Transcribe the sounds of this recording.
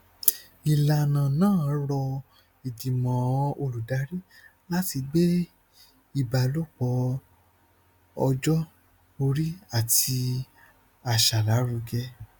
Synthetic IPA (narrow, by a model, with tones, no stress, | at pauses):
i˨la˧nã˨nãː˦˨˦ɾɔ˧ | i˨di˨mã˨˦o˧ɾu˨da˨˦ɾi˦ | la˦ti˧ɡ͡be˦ | i˦˨ba˨lo˦k͡pɔ˧˦ | ɔ˧d͡ʒɔ˦ | o˧ɾi˦a˦˨ti˧ | a˨ʃa˨la˨˦ɾu˧ɡɛ˧